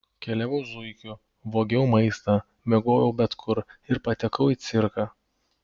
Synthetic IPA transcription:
kʲɛlʲɛʋʲɛʊzʊɪkʲʊ | ʋoːɡʲɛʊmɐɪst̪ɑː | mʲɛɡoːjɛʊbʲɛt̪kʰʊɾɪɾpɐt̪ʲɛkɐʊiːt̪sʲɪɾkɑː

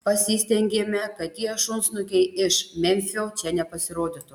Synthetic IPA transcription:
pɐsʲiːsʲt̪ʲɛŋʲɡʲeːmʲɛkɐt̪t̪ʲiɛʃʊnsnʊkʲɛɪɪʃmʲɛmʲfʲoːt͡ʃʲɛnʲɛpɐsʲɪɾoːd̪ʲɪt̪ʊ

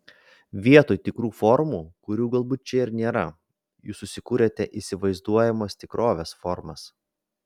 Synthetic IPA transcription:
ʋʲiɛt̪oːjt̪ʲɪkɾuːfɔɾmuːkʊɾʲuːɡɐlˠbuːt̪̚t͡ʃʲɛɪɾnʲeːɾɐ | jṵːsːʊsʲɪkuːɾʲeːt̪ʲɛʔisʲɪʋɐɪzd̪uɔjɛmoːst̪ʲɪkɾoːʋʲeːsfɔɾmɐs

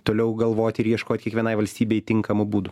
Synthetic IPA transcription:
t̪oːlʲɛʊɡɐlˠʋoːt̪ʲɪɾjiɛʃkoːt̪ʲkʲiɛkʋʲiɛnɐɪʋɐlʲsʲt̪ʲiːbʲɛɪt̪ʲɪŋkɐmʊbuːd̪ʊ

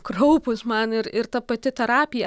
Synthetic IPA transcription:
krɐʊpʊsmɐnɪɾɪɾt̪ɐpɐt̪ʲɪt̪ʲɛɾɑːpʲɪjɛ

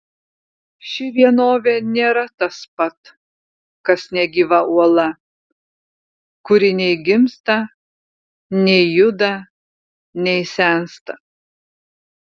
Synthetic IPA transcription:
ʃʲɪʋʲiɛnoːʋʲenʲeːɾɐt̪ɐspɐt̪ | kɐsnʲɛɡʲiʋɐʔuɔlˠɐ | kʊɾʲɪnʲɛɪɡʲɪmst̪ɐ | nʲɛɪjʊd̪ɐ | nʲɛɪsʲɛˑnst̪ɐ

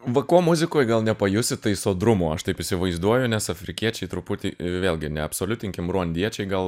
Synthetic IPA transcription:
ʋɐkoɔmʊzʲɪkoːjɡɐlˠnʲɛpɐjʊsʲɪt̪ɐɪsoːd̪ɾʊmoːɐʃt̪ɐɪpɪsʲɪʋɐɪzd̪uɔjʊnʲɛsɐfʲɾʲɪkʲiɛt͡ʃʲɛɪt̪ɾʊpʊt̪ʲiːʋʲeːlʲˠɡʲɪnʲɛɐpsoːlʲʊt̪ʲɪŋʲkʲɪmɾuɔnʲd̪ʲiɛt͡ʃʲɛɪɡɐlˠ

